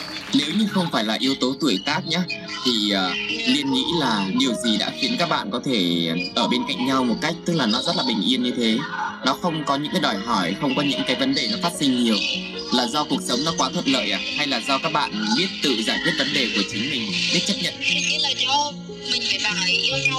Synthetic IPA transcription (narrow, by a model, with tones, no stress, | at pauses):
ne˨˦wɲɨ˧xə˧wŋ͡mfaː˧˩jlaː˨˩ʔi˨˦əwt̪o˨˦t̪u˧˩əjt̪aː˦˥k̚ɲaː˨˦ | t̪ʰi˨˩əː˨˩li˧ənŋḭ˧˥laː˨˩ɗi˨˩əwzi˨˩ɗa̰ː˧˥xi˨˦ənkaː˦˥k̚ɓa̰ː˧˨nkɔ˨˦t̪ʰe˧˩ʔəː˧˩ɓe˧nka̰˧˨ŋ̟ɲa˧wmo˨˩t̚ka˦˥jk̚t̪ɨ˦˥k̚laː˨˩nɔ˨˦zə˦˥t̚laː˨˩ɓï˨˩ŋ̟ʔi˧ənɲɨ˧t̪ʰe˨˦nɔ˨˦xə˧wŋ͡mkɔ˨˦ɲɨ̰˧˥ŋkaː˨˦ɗɔ˨˩jɦɔ˧˩jxə˧wŋ͡mkɔ˨˦ɲɨ̰˧˥ŋkaː˨˦jvə˨˦nɗe˨˩nɔ˨˦faː˦˥t̚si˧ŋ̟ɲi˨˩əw | laː˨˩zɔ˧ku˨˩ək̚sə˨˦wŋ͡mnɔ˨˦kwaː˨˦t̪ʰwə˧˨˩t̚lə̰ː˧˨jʔaː˨˩ha˧jlaː˨˩zɔ˧kaː˦˥k̚ɓa̰ː˧˨nɓi˦˥ət̚t̪ɨ̰˧˨zaː˧˩jk̪ʰwət̚və˨˦nɗe˨˩ku˧˩ət͡ɕï˨˦ŋ̟mï˨˩ŋ̟ɓi˦˥k̚t͡ɕə˦˥p̚ɲə̰˧˨n